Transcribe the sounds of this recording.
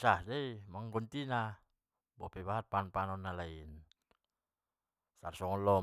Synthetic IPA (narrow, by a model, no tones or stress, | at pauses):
sadajmaŋɡont̪ina | bɔ̰pabaat̪̚paːnpaːnɔnːalain | saɾsɔŋɔlɔː